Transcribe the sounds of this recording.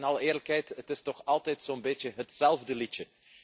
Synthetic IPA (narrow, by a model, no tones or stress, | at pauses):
nɑlˠəɪːrləkɦɛjtətɪstɔxɑlˠtɛjtsoːənbeːtəɦətsɛlˠvdəlitə